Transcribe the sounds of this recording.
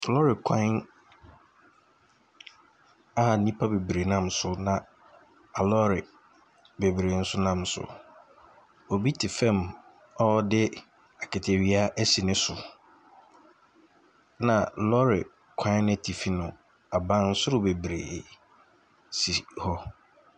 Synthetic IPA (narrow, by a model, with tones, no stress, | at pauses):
lɔ˦ɾɪ˨kʷʰã˦n | a˦a˨nĩ˦pʰa˦be˨bɾe˨nã˦msʊ˦nã˨ | a˨lɔ˦ɾɪ˨ | be˨bɾe˨n̩˦sʊ˦nã˦˨msʊ̰˨ | ɔ˨bi˦tʰɪ˨fɛ̃˦˨m | ɔ˦dɪ˦ | a˨kɪ˨tʰe˨ɥi˨˦a˦ʔɛ˦si˨nɪ̃˦sʊ˨ | nã˨lɔ˦ɾɪ˨ | kʷʰã˦nẽ˦tʰi˨fi˦nʊ̃˨ | a˨bã˦n̩˦sʊ˦ɾʊ˦˨be˨bɾḛː˨ | si˨hɔ˦